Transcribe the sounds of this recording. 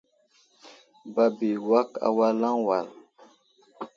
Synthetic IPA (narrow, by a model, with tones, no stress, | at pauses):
ba˨bi˨wa˦ka̰˨wa˦lã˦wa˨l